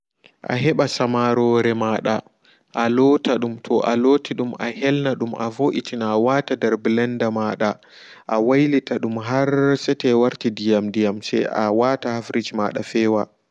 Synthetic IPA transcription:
ʔa̰ɦɛɓasamaɾɔɾɛmaːɗa | ʔalɔtaɗumtʰɔʔalotʰiɗumʔa̰hɛlnaɗumʔa̰voʔitʰinaːwatadɛɾblɛndamaɗa | ʔawajlitaɗumɦaɾsɛtɛwaɾtidijamdijamsɛ̰jʔawatahafɾid͡ʒma̰ɗa̰fɛːwa

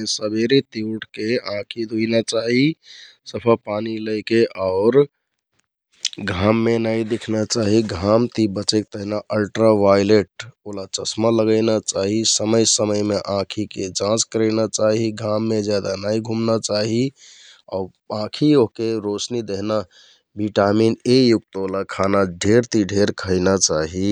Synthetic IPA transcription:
esəbeɾet̪iuʈkeãkʰid̪ʱuinat͡ʃaɦisəpʰəpaniləɪkeʔaʊɾ | ɡʱamːenajd̪ekʰnat͡ʃaɦiɡʱamt̪ibət͡ʃek̚t̪əɦnaʔəlʈɾaʋajleʈ̚olat͡ʃəsmaləɡəɪnat͡ʃaɦisəməjsəməjmeʔãkʰiked͡ʒãt͡ʃkəɾəɪnat͡ʃaɦiɡʱamːed͡ʒjad̪anaiɡʱumnat͡ʃaɦi | a | ãkʰioɦkeɾosnid̪eɦna | biʈaminejuk̚t̪olakʰanaɖʱeɾt̪iɖʱeɾkʰəɪnat͡ʃaɦi

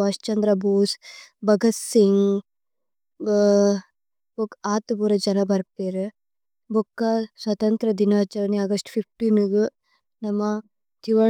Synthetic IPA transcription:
ɐʃt͡ʃɐnd̪ɾɐbʱuːsbʱɐɡɐt̪siŋ | bokaːt̪ubuːɾɐd͡ʒɐnɐbɐɾpeːɾe | bʱukːɐswɐt̪ɐnt̪ɾɐd̪inaːt͡ʃɐɾɐniɐɡɐsʈpʰip̚ʰʈiːnɡu | nɐmːɐ | t̪iʋɐ

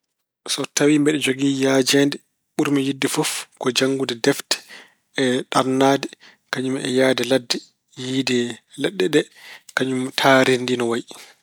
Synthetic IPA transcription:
sɔtawimbɛɗɛd͡ʒoɡijaːd͡ʒɛndɛ | ɓuɾmɛjidːɛfɔfkɔd͡ʒaŋɡudɛdɛftɛ̥ | ɛɗaɾnaːdɛ | kaɲumɛ̰jaːdɛladːɛ | jiːdɛlɛɗːɛɗɛ | kaɲumtʰaːɾindinɔwaj

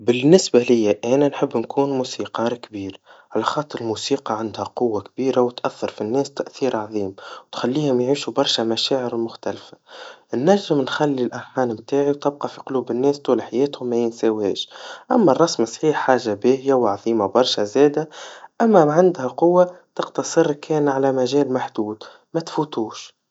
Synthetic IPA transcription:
bɪnːɪsbalɪjːaʔæːnænħəbːnkʰuːnmuːsiːqɑːɾkbiːɾʕalæxɑːt̪ˤːɨɾlmuːsiːqɑʕand̪hæqʊwːakbiːɾawt̪ʔæθːɑɾˤfinːɛːst̪æʔθiːɾʕɑðˤiːmwt̪xælːiːhʊmjʕiːʃubɑɾˤʃamæʃaːʕəɾmʊxt̪ælfḁnːæʒːɪmnxælːilʔaħaːnmt̪aːʕiwt̪ɪb̚qɑfiqʊluːbɪnːɛːst̪uːlħajɛːt̪hʊmːæjɪnsæːwhɛːʃʔæmːærˤːɑsmɪsˤħiːħːaːʒːabæːhjawʕɑðˤiːmabɑɾˤʃæzɛːd̪aʔæmːæmʕand̪hæqʊwːat̪ɑqt̪ɑsˤɨɾkʰɛːnʕalæmæʒɛːlmaħd̪̥uːd̪ | mæt̪fuːt̪uːʃ

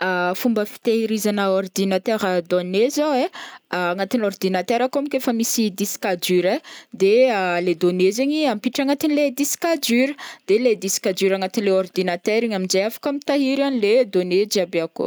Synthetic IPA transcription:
afumbəfi̥t̪eɦiɾizanəord̪inat̪eɾəd̪onezaweaŋat̪inord̪inat̪eɾakoamikefəmisid̪iskad͡ʒyɾed̪ealed̪onezeɲiampiʈ͡ʂaŋat̪inled̪iskad͡ʒyɾə̥d̪̥eled̪isi̥kad͡ʒyɾaŋat̪inileɔrd̪inat̪ɛɾiɲaminzejafḁkamit̪aɦiɾaniled̪oned͡ʒiabeako̰

